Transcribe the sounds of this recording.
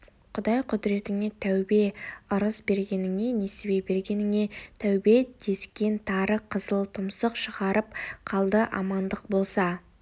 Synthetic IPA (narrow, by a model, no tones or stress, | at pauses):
qʰʊd̪ɑjqʰʊd̪ɪɾe̞t̪ɪŋe̞t̪ʰæwbe̞əɾəsbe̞ɾɡʲe̞nɪŋe̞nesebe̞be̞ɾɡʲe̞nɪŋe̞t̪ʰæwbe̞d̪̥e̞skʲe̞nt̪ʰɑɾəqʰəzəlˠt̪ʰʊmsəqʃəʁɑɾəp̚qʰɑlˠd̪əʔɑ̰mɑnd̪əq̚bo̞lˠsɑ